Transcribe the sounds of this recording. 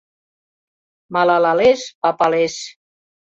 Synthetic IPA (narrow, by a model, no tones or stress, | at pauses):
malalalespapales